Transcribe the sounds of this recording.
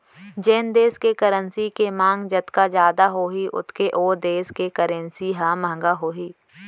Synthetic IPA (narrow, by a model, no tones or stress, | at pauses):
d͡ʒeːnd̪eːskekəɾənsikemãːŋɡd͡ʒɐt̪kad͡ʒjaːd̪aɦoːɦiʔʊ̰t̪ʰkeʔoːd̪eːskekəɾənsiɦãmə̃ɦŋɡaɦoːɦiː